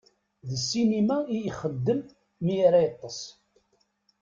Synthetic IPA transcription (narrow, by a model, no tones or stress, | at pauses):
ðəsːinimæijiχəd̪ːəmː | ijaɾæjət̪ˤːəsˤ